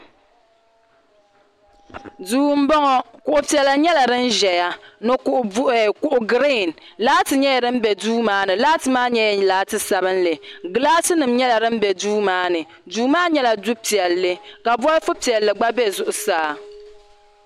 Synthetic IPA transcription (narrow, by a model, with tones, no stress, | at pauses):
duː˦m̩˦bɔ˦ŋɔ˦kʊ˨ʔʊ˨pi˨ɛ˨la˨ɲɛ˦la˨dɨ˦n̩˦ʒɛ˨ja˨nɨ˦kʊ˨ʔʊ˨bʊ˦ʔʊ˨˦˨kʊ˨ʔʊ˦ɡɾe˦˨nlaː˦tɨ˨ɲɛ˦jɛ˨ɾɨ˦m̩˦bɛ˨duː˦maː˨˦nɨ˨laː˦tɨ˨maː˦ɲɛ˦˨laː˦tɨ˨sa˨bɨ˦nlɨ˨ɡɨ˨˦laː˦sɨ˦nɨ˨mɲɛ˦la˨ɾɨ˦m̩˦bɛ˨duː˦maː˦nɨ˨ | duː˦maː˦ɲɛ˦la˨du˦pi˨ɛ˨lːɨ˨ka˨bɔ˦lfʊ˦pi˨ɛ˨lːɨ˨ɡ͡ba˦bɛ˦zʊ˨ʔʊ˨saː˨˦˨